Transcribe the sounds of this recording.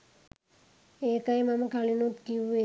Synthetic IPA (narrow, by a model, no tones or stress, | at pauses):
ekajmamakalinut̪kie